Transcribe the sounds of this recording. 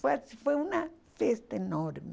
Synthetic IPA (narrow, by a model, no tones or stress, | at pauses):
fesifweuna | fest̪aenoɾme